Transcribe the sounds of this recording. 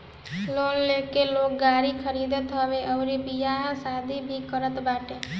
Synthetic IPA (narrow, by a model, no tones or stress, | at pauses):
lonlekelok̚ɡaɾikʰəɾid̪ət̪ɦəbeʔəʊɾipijaɦãsad̪ʱibʱikəɾət̪baːʈe